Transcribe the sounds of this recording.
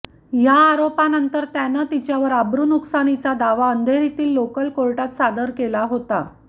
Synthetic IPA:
jaːɾopanənt̪əɾt̪janət̪it͡ɕjaʋəɾabɾuːnuksanit͡sad̪aʋaənd̪ʱeɾit̪iːlːokəlkoɭʈat̪sad̪əɾkelaɦot̪a̰

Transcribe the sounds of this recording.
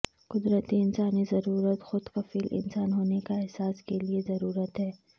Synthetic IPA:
qʊd̪ɾət̪iɪnsaːnizɐɾuːɾət̪xʊd̪qɐfiːlʔɪ̰nsaːnɦoːnekaɛɦsaːskeliezɐɾuːɾət̪ɦɛː

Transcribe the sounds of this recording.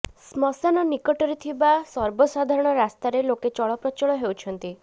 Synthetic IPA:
smɔsanɔnikɔʈɔɾet̪ʰibasɔɾbɔsad̪ʱaɾɔɽ̃ɔɾast̪aɾeloket͡ʃɔɭɔpɾɔt͡ʃɔɭɔɦewt͡ʃʰɔnt̪i

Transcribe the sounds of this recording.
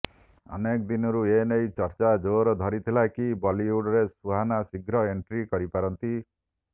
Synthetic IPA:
ɔ̰nekɔd̪inɔɾuenejt͡ʃɔɾt͡ʃad͡ʒoɾɔd̪ʱɔɾit̪ʰilakibɔliuɽɔɾesuɦanasiɡʱɾɔeɳʈɾikɔɾipaɾɔnt̪i

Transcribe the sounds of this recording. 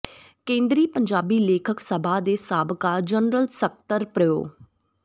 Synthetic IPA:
kẽːnd̪ɾiːpəɲd͡ʒaːbiːleːkʰəksəbʱaːd̪eːsaːbkaːd͡ʒənɾəlsək̚t̪əɾpɾəjo̰ː

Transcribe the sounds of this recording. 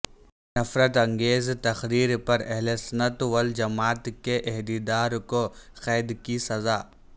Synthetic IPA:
nɐfɾət̪ɐ̃ŋɡeːzt̪ɐxɾiːɾpɐɾɐɦlesɐnət̪wɐld͡ʒɐmaːt̪keʔɛɦd̪id̪aːɾkoxɛːd̪kisɐzaː

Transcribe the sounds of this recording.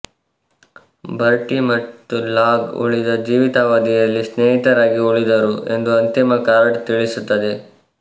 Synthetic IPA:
bʱɐɾʈimɐt̪ːulaːɡṵɭid̪ɐd͡ʒiːʋit̪aːʋaːd̪ijɐlːisneːɦit̪ɐɾaːɡiuɭid̪ɐɾue̞nd̪uɐnt̪imɐkaːɾɐɖt̪iɭisut̪ːɐd̪e

